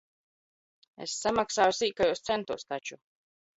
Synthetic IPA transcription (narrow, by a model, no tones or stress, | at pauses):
ḛsːamaksaːjusiːkajust̪sɛnt̪uɔst̪at͡ʃu